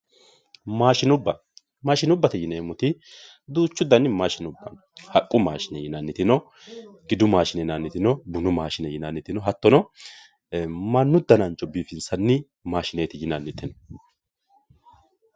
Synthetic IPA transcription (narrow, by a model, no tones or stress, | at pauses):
maːʃɪnʊbːɐ | maːʃɪnʊbːɐt̪ɛjɪneːmʊt̪ɪ | d̪uːt͡ʃːʊd̪ɐnːɪmaːʃɪnʊbːɐ̰n | hɐkʼːʊmaːʃɪnɛjɪnɐnːɪt̪ɪnɔ | ɡɪd̪ʊmaːʃɪnɛnɐnːɪt̪ɪnɔbʊnʊmaːʃɪnɛjɪnanːɪt̪ɪnɔɦɐt̪ːɔnɔ | mɐnːʊd̪ːɐnɐnt͡ʃʼɔbiːfɪnsɐnːɪ | maːʃɪneːt̪ɪjɪnɐnːɪt̪ɪnɔ